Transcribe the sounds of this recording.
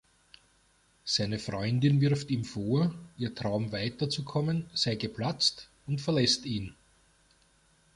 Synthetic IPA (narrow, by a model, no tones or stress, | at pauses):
sæɪnəfʁɔʏndɪnvɪɐftiːmfoːɐʔiːɐtʁ̥ɑʊmvæɪtɐt͡sukʰɔmənsæɪɡəpʰlat͡st | ʊntfɛɐlɛstiːn